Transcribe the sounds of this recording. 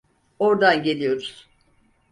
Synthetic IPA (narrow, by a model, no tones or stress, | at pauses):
oɾd̪anɟe̞lʲijo̞ɾuz̥